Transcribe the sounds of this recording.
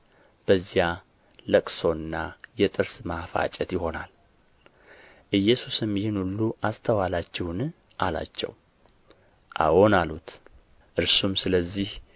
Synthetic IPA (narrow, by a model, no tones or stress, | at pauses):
b̥əzːija | ləkʼso̞ɨnːajɛt̪ʼɨɾsmafa̰t͡ʃʼɛt̪jɪho̞nal | ʔɨjːɛsusɨmjɪnulːuʔast̪ʰəwalat͡ʃːɛhn | ʔala̰t͡ʃːɛ̰w | ʔa̰wo̞nalut̪ | ʔɨɾsumsɨləzːih